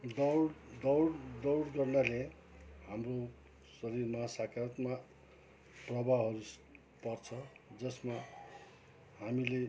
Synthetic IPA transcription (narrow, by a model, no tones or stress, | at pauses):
d̪ʌɽd̪ʌwɽd̪ʌwɽɡʌrnale | hamro | sʌɾirmasakʰaɾʌt̪ma | prʌbaɦʌɾus | pʌrt͡sʰʌd͡zʌsma | hamile